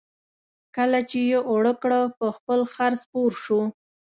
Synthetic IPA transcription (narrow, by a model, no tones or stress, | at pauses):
kəlat͡ʃejeʔoɽəkɽəpəxpəlxaɾspoɾʃu